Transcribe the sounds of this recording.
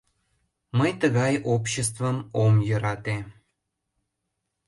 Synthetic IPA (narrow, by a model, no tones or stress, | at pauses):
məjt̪əɣɑjopɕest̪vəmomjə̆ɾɑt̪e